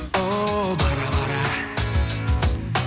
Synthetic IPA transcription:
obaɾabaɾa

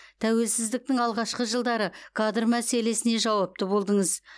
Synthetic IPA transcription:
t̪ʰæwe̞lsɪzd̪ɪk̚t̪ɪŋɑlˠʁɑʃqəʒəlˠd̪ɑɾəkʰad̪ərmæse̞le̞sɪne̞ʒɑwɑp̚t̪əbo̞lˠd̪əɴəz

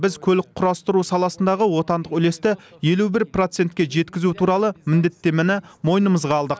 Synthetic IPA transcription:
bɪzkʲʰɵlɪk̚qʰːʊɾɑst̪əɾusɑlˠɑsənd̪ɑʁəwo̞t̪ɑnd̪əqʏle̞st̪ɪje̞lubɪɾpro̞t̪se̞nt̪kʲe̞ʒe̞t̪kʲɪzut̪ʰuɾɑlˠəmɪnd̪e̞t̪ːe̞mɪnɪmo̞jnəməzʁɑːlˠd̪əq

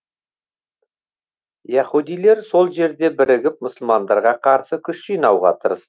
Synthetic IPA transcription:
jæχud̪ijle̞ɾso̞lˠʒe̞ɾd̪e̞bɪɾɪɡʲɪp̚mʊsəlˠmɑnd̪ɑɾʁɑqʰɑɾsəkʲʰʏʃʒijnɑwʁɑ̰t̪ʰəɾəs

